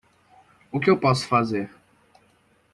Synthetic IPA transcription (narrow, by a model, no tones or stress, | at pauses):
ʊkɪewpɔsʊ̥fazeɾ